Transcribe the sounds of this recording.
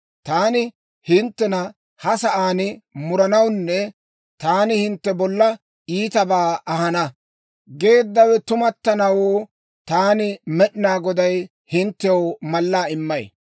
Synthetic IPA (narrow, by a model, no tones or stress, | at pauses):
t̪aːnɪ | hɪnt̪ːɛnɐ | hɐsɐʔaːnɪmʊɾɐnɐwnːɛ | t̪aːnɪhɪnt̪ːɛbɔlːɐ | iːt̪ɐbaːʔɐɦɐnɐ | ɡe̞ːd̪ːɐwɛt̪ʊmɐt̪ːɐnɐwoː | t̪aːnɪmɛɗɪnaːɡɔd̪ɐj | hɪnt̪ːɛwmɐlːaːɪmːɐj